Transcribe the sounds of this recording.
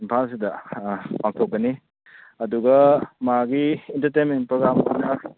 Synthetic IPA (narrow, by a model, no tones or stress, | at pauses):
impʰals̬idɐpaŋtʰokːɐni | ɐduɡɐmaɡiintɐɾtejnment̚pɾoɡɾamo̰jnɐ